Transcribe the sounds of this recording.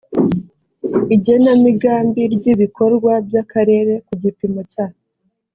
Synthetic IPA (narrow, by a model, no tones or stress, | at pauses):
iɟe̞namiɡaːmbiɾɟiβikʰo̞ɾɡwabjakaɾe̞ːɾe̞kuɟipimo̞caːhe